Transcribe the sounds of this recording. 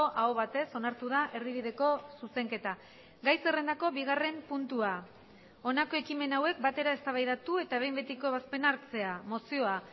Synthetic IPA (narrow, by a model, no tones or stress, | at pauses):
oʔaoβat̪e̞so̞naɾt̪uð̞aʔe̞riβiðe̞ko̞suse̞ŋke̞t̪a | ɡajserend̪ako̞βiɣ̞are̞mpunt̪ua | o̞nako̞e̞kime̞nawe̞k̚bat̪e̞ɾae̞st̪aβajðat̪ue̞t̪aβ̞e̞jmbe̞t̪iko̞βaspe̞naɾt͡se̞amo̞sio̞a